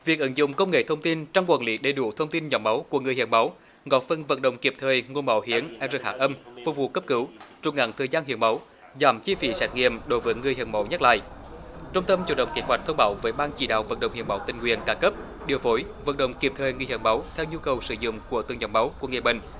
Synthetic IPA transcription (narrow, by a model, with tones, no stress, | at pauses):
vi˨˩ək̚ʔə˨˦nzʊ̰˧˨ŋ͡mkə˧wŋ͡mŋḛ˧˨t̪ʰə˧wŋ͡mt̪i˧nt͡ɕɔ˧wŋ͡mkwaː˧˨nlḭ˨˦ɗe˨˩ɗu˧˩˦t̪ʰə˧wŋ͡mt̪i˧nɲɔ˨˦wŋ͡mma˨˦wku˧˩əŋɨ˨˩hḭ˧˩ənma˨˦w | ɣɔ˨˦t̚fə˧nvə̰˧˩n̚ɗə̰˧˨wŋ͡mki˨˩əp̚t̪ʰəː˨˩jŋo˧ənɓa˨˦whi˨˦ənʔɛ˧˥zə˨˩k̚haː˧˥ʔə˧mvu˧˩vṵ˧˨kə˦˥p̚kɨ˨˦wt͡ɕʊ˨˧˩ŋ͡mŋa̰˧˨˥ŋt̪ʰəː˨˩jzaː˧nhḭ˧˨ənmə˨˦w | zaː˨˦mt͡ɕi˧fi˨˦sɛ˨˦˥t̚ŋḭ˧˨əmɗo˨˦jvəː˨˦jŋɨ˨˩əjhḭ˨˧˩ənmə˨˦wɲa˦˥t̚la̰ː˧˨jt͡ɕə˧ŋ͡mt̪ə˧mt͡ɕṵ˧˩ɗə̰˧˨wŋ͡mki˨˦ɦwa˨˩k̚t̪ʰə˧wŋ͡mɓaː˨˦wvəː˨˦jɓaː˧nt͡ɕḭ˧˩ɗa̰ː˧˨wvə̰˧˩n̚ɗə̰˧˨wŋ͡mhḭ˧˨ma˨˦wt̪ï˨˩ŋ̟ŋwḭ˧˨˩ənkaː˧˦kə˦˥p̚ | ɗi˨˩əwfo˨˦jvə̰˧˩n̚ɗə̰˧˨wŋ͡mki˨˧˩əp̚t̪ʰəː˨˩jŋɨ˨˧˩hi˧˨˩ŋma˨˦wt̪ʰɛ˧wɲu˧kə˨˩wsɨ˧˦zʊ̰˧˨ŋ͡mku˧˩ət̪ɨ˨əŋɲɔ˨˧˦wŋ͡mma˨˦wku˧˩əŋi˨˩əɓï˧˩ŋ̟